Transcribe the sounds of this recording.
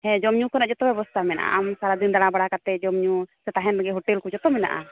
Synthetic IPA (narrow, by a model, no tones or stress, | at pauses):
hɛ̃d͡ʒɔmɲukɔnaʔd͡ʒɔt̪ɔbɛbɔst̪ʰamɛna̰ʔa̰ʔamsaɾad̪ind̪aɽ̃abaɽakat̪ɛd͡ʒɔmɲusɛt̪aɦɛ̃naɡɛɦɔʈɛlkud͡ʒɔt̪ɔmɛna̰ʔa̰